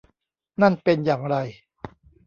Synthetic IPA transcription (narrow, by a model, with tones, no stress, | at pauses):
na˥˩npe˧njaː˨˩ŋɾa˧j